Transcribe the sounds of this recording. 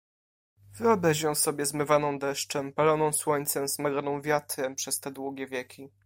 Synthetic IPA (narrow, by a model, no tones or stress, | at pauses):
vɘɔbɾɛʑɛ̃w̃sɔbʲjɛzmɘvanɔ̃w̃d̪ɛʂt͡ʂɛmpalɔnɔ̃w̃swɔɲt̪sɛmzmaɡɾɔnɔ̃w̃vʲjat̪ɾɛpʂɛst̪ɛd̪wuɡʲjɛvʲjɛkʲi